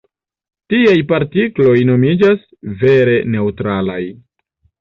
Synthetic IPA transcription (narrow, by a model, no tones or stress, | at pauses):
tiajpaɾtiklo̞jno̞mid͡ʒas | ve̞ɾe̞ne̞utɾalaj